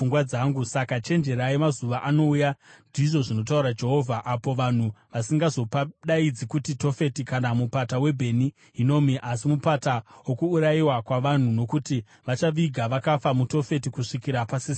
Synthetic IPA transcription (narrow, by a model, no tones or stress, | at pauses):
uŋɡwad͡zaːŋɡusakat͡ʃe̞nd͡ʒe̞ɾaimazuʋaʔano̞ujandiʐo̞ʐino̞tauɾad͡ʒe̞ɦo̞vʱaʔapo̞ʋan̤uʋasiŋɡazo̞paɗaid͡zikutito̞fe̞tikanamupatawe̞bʱe̞ni | ɦino̞ːmiʔasimupatawokuːɾajiwakwaʋan̤uno̞kuti | ʋat͡ʃaʋiɡʱaʋakafamuto̞fe̞tikuʂikiɾapasi